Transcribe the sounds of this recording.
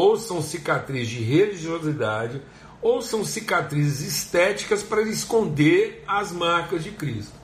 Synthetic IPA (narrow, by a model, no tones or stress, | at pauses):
owsɐ̃w̃sikat̪ɾizzd͡ʒɪɦeliʒiozid̪ad͡ʒɪ | owsɐ̃w̃sikat̪ɾizɪzist̪ɛt͡ʃi̥kɐspaɾɐelɪskõnd̪eɾɐzmaɾkɐzd͡ʒɪkɾist̪ʊ